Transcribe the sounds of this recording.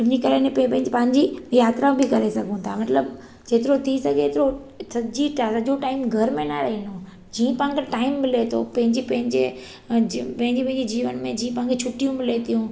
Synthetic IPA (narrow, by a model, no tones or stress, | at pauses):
ɪnikɐlenẽpɐɦɪ̃pɐ̃ɦɪ̃ɲd͡ʑijaːt̪ɾabʱikɐɾesɐɡʱũt̪ʰamɐt̪ləb | d͡ʑeːt̪ɪɾot̪ʰisɐɡeːt̪ɪɾo | sɐd͡ʑiʈsɐd͡ʑoʈaːɪmɡʱɐɾmẽnɐɾɐɦĩno | d͡ʑiːə̃pɐɦŋkʰeʈaːɪmːɪlet̪ʰo̰pɐ̃ɦɪ̃ɲd͡ʑipɐ̃ɦɪ̃ɲd͡ʑe | pɐ̃ɦɪ̃ɲd͡ʑipɐ̃ɦɪ̃ɲd͡ʑid͡ʑiːʋənmẽd͡ʑiːə̃pɐ̃ɦɪ̃kʰet͡ɕʰʊʈijũmɪlet̪ijũ